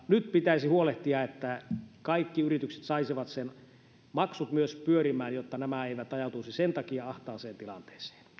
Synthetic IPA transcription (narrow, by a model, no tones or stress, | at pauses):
nyt̪pit̪æisihuoleht̪iɑet̪ːækɑikːiyrit̪ykse̥t̪sɑisiʋɑt̪sen | mɑksut̪myøspyøɾimˑæːnjot̪ːɑnæmæeiʋæt̪ɑjɑt̪uisisent̪ɑkiɑɑht̪ɑːseːnt̪ilɑ̰nt̪e̥ːse̥ːn